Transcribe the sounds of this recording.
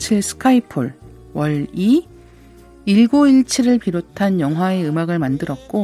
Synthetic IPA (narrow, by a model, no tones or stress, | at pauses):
t͡ɕʰiɭsʰɯ̥kʰaipʰɯɭ | wʌɭi | iɭɡoiɭt͡ɕʰiɾɯɭpiɾotʰanjʌŋɦwae̞ɯmaɡɯɭmandɯɾʌt̚k͈o